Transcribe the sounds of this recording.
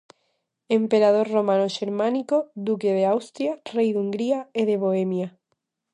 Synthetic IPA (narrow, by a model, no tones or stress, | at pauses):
empeɾað̞oɾromãnoʃeɾmãnikod̪ukeð̞eawst̪ɾjarejðuŋɡɾiaeðeβ̞oemja